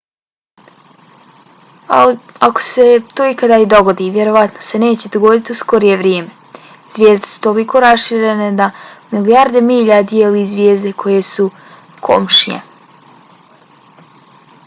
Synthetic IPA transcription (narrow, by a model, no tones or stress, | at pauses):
a̰li | ako̥se̞t̪oːikad̪aːid̪o̞ɡo̞d̪iːʋjeɾo̞ʋat̪nose̞ne̞ːt͡ɕe̞d̪oɡo̞d̪it̪iusko̞ɾije̞ʋɾjeːme̞ | z̥ʋje̞ːzd̪e̥su̥t̪o̞likʰo̞ːɾasʃiːɾened̪amilijaɾd̪e̞miːʎad̪ijelizʋʲjeːzd̪e̞kʰo̞je̞su | kʰo̰mʃiɲḛ